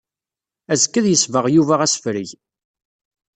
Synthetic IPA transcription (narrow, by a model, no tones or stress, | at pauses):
æzkːæðjəsvəʁjuvæʁæsfɾiʝ